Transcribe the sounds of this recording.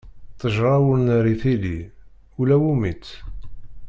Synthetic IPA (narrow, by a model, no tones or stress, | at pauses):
t̪ˤːəʒɾˤɑwəɾnəɾiθili | ulæwumit͡sː